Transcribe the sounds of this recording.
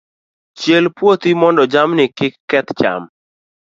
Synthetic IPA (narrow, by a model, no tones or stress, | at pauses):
t͡ʃjelpwot̪imɔndɔd͡ʒamnɪkɪkːɛt̪t͡ʃa̰m